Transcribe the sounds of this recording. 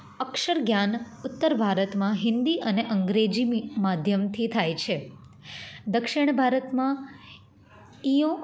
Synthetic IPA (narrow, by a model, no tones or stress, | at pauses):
əkʂəɾɡjanʊt̪ːəɾbʱaɾət̪mãɦɪnd̪iʔəneʔəŋɡɾed͡ʒimmad̪ʱjəmt̪ʰit̪ʰajt͡ʃʰe | d̪əkʂɪɳ̃bʱaɾət̪mã | iõ